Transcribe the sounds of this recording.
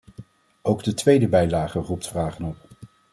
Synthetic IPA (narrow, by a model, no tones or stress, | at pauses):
owɡdətʋejdəbɛjlaːχərup̚tfraːχənɔp